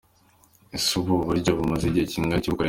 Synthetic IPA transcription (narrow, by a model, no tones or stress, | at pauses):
isuβuβuɾɟoβumaziɟiheciŋɡaciβukoɾe